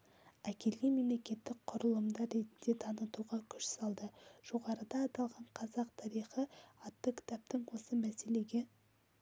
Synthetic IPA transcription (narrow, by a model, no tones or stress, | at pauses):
ækʲe̞lɡʲeme̞mle̞kʲe̞t̪ːɪk̚qʰʊɾəlˠəmd̪ɑɾe̞t̪nd̪e̞t̪ʰɑnət̪uʁɑkʲʰʏ̥ʃsɑlˠd̪əʒ̥o̞ʁɑɾəd̪ɑːt̪ɑlˠʁɑɴqʰɑzɑqt̪ʰɑɾijχəɑt̪ːəkʲʰɪ̥t̪ɑp̚t̪əɴwo̞səmæse̞le̞ɡʲe̞